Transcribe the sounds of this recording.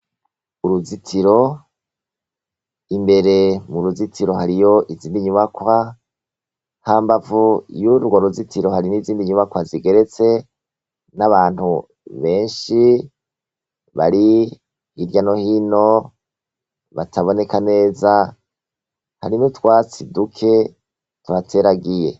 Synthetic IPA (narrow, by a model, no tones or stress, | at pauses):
uɾuzitʰiɾo̞ | imbe̞ɾe̞muɾuzitʰiɾo̞haɾijo̞ʔiziːndiɲuβakwa | haːmbavujuɾɡaɾuzitʰiɾo̞haɾiniːziːndiɲuβakwaziɡe̞ɾe̞t͡se̞ | naβaːn̥hu | βe̞ːnʃi | βa̰ɾi | hiɾjano̞hino̞ | βa̰tʰaβo̞ne̞kane̞ːza | ha̰ɾinutwaːt͡sidukʰe̞ | tuβatʰeɾaɡije̞̰